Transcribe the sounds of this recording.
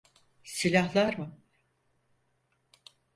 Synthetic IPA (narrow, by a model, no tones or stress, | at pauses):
silʲahlˠaɾmɨ